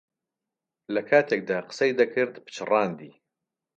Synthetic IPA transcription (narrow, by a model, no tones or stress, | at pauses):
lɐkʰaːt̪ʰeːk̚d̪aːqə̥sɐjd̪ɐkʰɨɾd̪pɨ̥t͡ʃʰɨrɑːnd̪iː